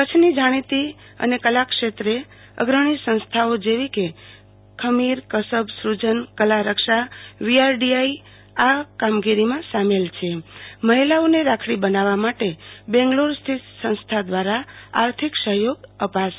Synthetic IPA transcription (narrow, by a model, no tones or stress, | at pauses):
kət͡ʃʰnid͡ʒaɽ̃it̪i | ə̰nekəlakʃet̪ɾe | ə̰ɡɾəɽ̃isə̃ñst̪ʰaod͡ʒeʋike | kʰəmiɾkəsəbsɾud͡ʒənkəlaɾəkʃaʋiaɾɖiai | akamɡiɾimãsamelt͡ʃʰeməɦilaoneɾakʰɽibənaʋamaʈebɛ̃ŋɡluɾst̪ʰit̪sə̃ñst̪ʰad̪ʋaɾaa̰ɾt̪ʰiksəɦjoɡəpaʃ